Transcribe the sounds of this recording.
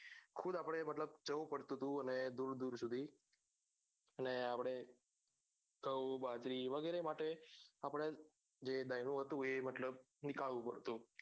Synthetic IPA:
kʰud̪apəɽ̃emət̪ləb̚t͡ʃəʋũpəɽt̪ut̪ũəned̪uɾd̪uɾsud̪ʱi | əneapəɽ̃e | ɡʱəwbad͡ʒɾiʋəɡɛɾemaʈeapəɽ̃e | d͡ʒed̪ajnũɦət̪ũemət̪ləb̚ | nɪkaɭʋũpə̰ɽt̪ũ

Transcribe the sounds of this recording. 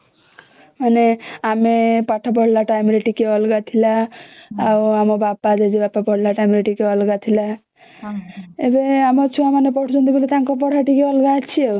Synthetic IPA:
maneamepaʈʰap̬ɔɽ̤laʈajmɾeʈikeɔlɡat̪ʰilaː | wamɔbapad͡ʒed͡ʒebapapɔɽ̤laʈajmɾeʈikeɔlɡat̪ʰila | ebeamɔt͡ʃʰuamanepɔʈʰt͡ʃɔnd̪ibilit̪aŋkɔp̬ɔɽ̤aʈikeɔlɡat͡ʃʰie

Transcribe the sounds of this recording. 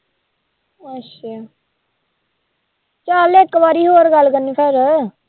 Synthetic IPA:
ətʃaː | t͡ʃaːlɪkːʋaːɾiːɦoːɾɡəlkənːiːpʰeɾ

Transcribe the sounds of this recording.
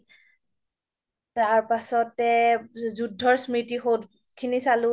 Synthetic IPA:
taɹpasɔtɛzudʱːɔɹsmitixowt | kʰinisalʊ

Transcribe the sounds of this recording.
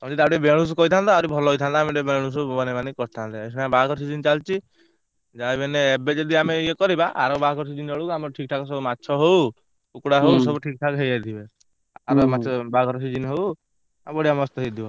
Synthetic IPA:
kɔd͡ʒit̪abɾebeɽ̃ũs̬kɔit̪ʰand̪aɾibʱɔlɔjt̪ʰand̪aameʈebeɽ̃us̬ubɔnebanikɔɾt̪ʰand̪aesnabakɔɾsid͡ʒint͡ʃalt͡ʃi | d͡ʒajbɛneːbed͡ʒɔd̪iameiekɔɾibaʔa̰ɾɔbakɔɾsid͡ʒinɔɭuamɔɾʈʰik̚ʈʰakɔs̬ɔbumatːʃʰɔɦow | ukɽaɦousɔbuʈʰik̚ʈʰakɦejajt̪ʰibe | aɾɔmat͡ʃɔbaɡɔɾɔsid͡ʒinɦow | abɔɽijamɔst̪ɔɦed̪ʱiɔ

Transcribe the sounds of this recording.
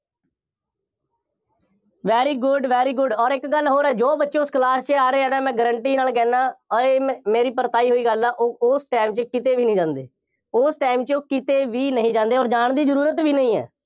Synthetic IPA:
ʋɛːɾiːɡʊɖʋɛːɾiːɡʊɖɔːɾɪkɡəlɦoːɾɛːd͡ʒoːbətːʃẽːʊsklaːst͡ʃaːɾeːɛɖɛːmɛ̃ːɡəɾəɳʈiːnaːlkɛːnãːeːmeːɾiːpəɾt̪aːiːɦoːiːɡəlɛːʔoːʊsʈaːɪmt͡ʃkɪt̪eːʋiːnĩːd͡ʒãːnd̪ḛː | ʊsʈaːɪmt͡ʃoːkɪt̪eːʋiːnəɦĩːd͡ʒãːnd̪eːɔːɾd͡ʒaːɳd̪iːzəɾuːɾət̪ʋiːnəɦĩːɛ̰ː

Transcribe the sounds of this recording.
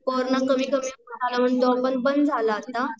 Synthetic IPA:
kɔɾnakəmiːkəmiːədalaməɳd̪ɔbənbənd͡zʱalaːt̪ːa

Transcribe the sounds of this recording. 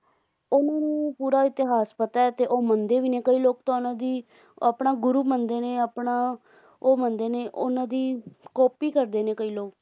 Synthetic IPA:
ʊnãːnũːpuːɾaːɪt̪ɪɦaːspət̪aɛːt̪eːʔoːmənd̪eːʋiːneːkəiːloːkt̪õːʊnãːd̪iː | apɳaːɡʊɾuːmənd̪eːneːapɳaː | oːmənd̪eːneːʔonãːd̪iːkɔːpiːkəɾd̪eːneːkəiːloːk

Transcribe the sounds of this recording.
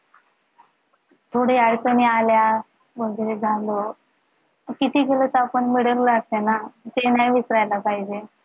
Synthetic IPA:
t̪ʰoɽeaɽkənialja | bəŋɡeed͡zʱãnd̪o | kit̪ʰiːkelət͡sapəɳmiɽəllaɡ̚t̪enat̪enajʋisɾajlapaɦid͡ʑe

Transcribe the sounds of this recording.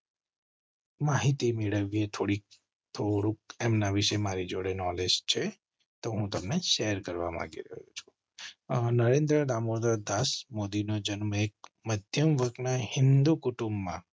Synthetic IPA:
maɦit̪imeɭəʋiet̪ʰoɽik̚ | t̪ʰoɽuk̚emnaʋiʃemaɾid͡ʒoɽenɔled͡ʒt͡ʃʰe | t̪oɦũt̪əmneʃɛɦəɾkəɾʋa̰mã̰ɡḭɾə̰ɦjut͡ʃʰu̥ | nəɾẽnd̪ɾəd̪amoɾd̪ad̪asmod̪inod͡ʒənmek̚məd̪ʱjəmʋəɡnahɪ̃nd̪ukuʈũmbːã

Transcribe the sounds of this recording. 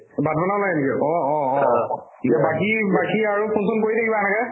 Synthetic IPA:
badbanalaenikɛʔɔ̃ɔɔ̃ | nikɛbakibakiaɹupʰunsʊnkoɹit̪ʰakibaɛnakɛ

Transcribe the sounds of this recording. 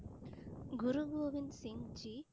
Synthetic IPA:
ɡʊɾuɡoːʋinsiŋd͡ʒi

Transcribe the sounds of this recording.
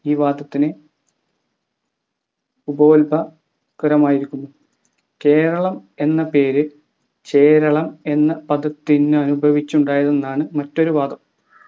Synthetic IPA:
iːʋaːd̪ʱɐt̪ːine | ubɐolbɐ | kɨɾɐmaːjiɾikʲːunːu | ke̞ːɾɐɭɐme̞nːɐpe̞ːɾɨ | t͡ɕe̞ːɾɐɭɐme̞nːɐpɐd̪ɐt̪ːinːɨɐnubʱɐʋit͡ɕːuɳɖaːjɐðe̞nːaːɳɨmɐtːo̞ɾuʋaːd̪ʱɐm

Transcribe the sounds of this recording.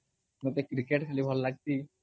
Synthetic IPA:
mɛt̪ekɾikeʈkʰelibʱɔllaɡ̚t̪i

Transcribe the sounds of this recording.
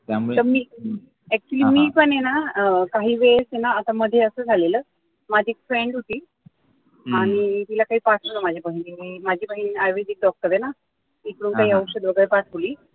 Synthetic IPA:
t̪əɾmiː | ɛk̚t͡ɕuliːmiːpəɳenakaɦiːʋesenaːt̪aməd̪ʱːjeəsəːd͡zʱaleləː | mad͡ʑʱiːkfɾeɳɖɦot̪iː | aɽ̃it̪ilakaɦiːpaʈʰoləmad͡ʑʱapəɦinimimad͡ʑʱiːpəɦiniajʋed͡ʑik̚d̪ɔk̚t̪əɾena | miːkəɽuːnkaɦiːəwɾɕəd̪ʋəɡəɭepaʈʰoliː

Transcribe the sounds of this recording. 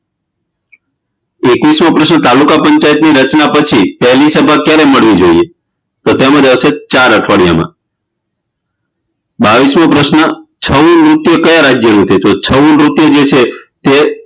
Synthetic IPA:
ekʋismãpɾəʃnət̪alukapəɲt͡ʃajət̪niɾət͡ʃnapət͡ʃʰipɛɦlisəbʱakjaɾeməɭʋid͡ʒoie | t̪ot̪emə̃d͡ʒəset͡ʃaɾəʈʰʋaɽja̰mã̰ | baʋismãpɾəʃnət͡ʃʰəunɾut̪jəkəjaɾad͡ʒjənũt̪ʰet̪ot͡ʃʰəʋunɾut̪jəd͡ʒet͡ʃʰet̪e

